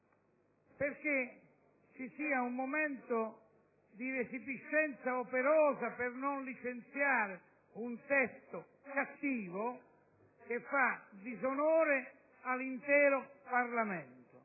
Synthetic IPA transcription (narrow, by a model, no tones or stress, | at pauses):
perk̟e | t͡ʃisiːaumːomɛnt̪ʊ | d̪iɾesipiʃːɛnt̪saopeɾɔːzapɪrnonlit͡ʃent̪sjaːɾɪ | unt̪ɛst̪ʊ | kat̪ːiːvo | k̟efːad̪izonoːɾɪ | alːint̪ɛːɾoparlamɛnt̪ʊ